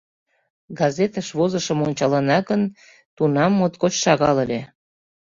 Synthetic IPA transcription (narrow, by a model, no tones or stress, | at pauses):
ɡɑzet̪əʃβozəʃəmonʲt͡ɕɑlɑnɑɣən | t̪unɑmːot̪kot͡ɕʃɑɣɑləlʲe